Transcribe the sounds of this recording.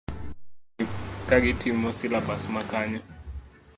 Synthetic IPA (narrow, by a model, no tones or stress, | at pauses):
kʼak̬itʰimɔsilabasmakʰaːɲa